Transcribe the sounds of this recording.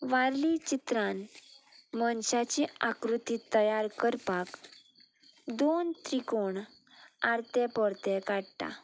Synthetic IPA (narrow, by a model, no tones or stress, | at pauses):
ʋaɾlit͡ɕit̪ɾãn | mənɕat͡ɕiakɾut̪it̪əjaɾkəɾpak | d̪ont̪ɾikoɳ | aɾt̪ɛpɔɾt̪ɛkaɽt̪a̰